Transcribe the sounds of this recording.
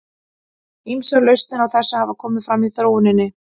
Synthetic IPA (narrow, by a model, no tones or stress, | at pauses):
imsœɾlœɥst̪nɪnawθɛsːahavakʰɔːmɪðfɾamiðθɾoːwʏnɪnːɪ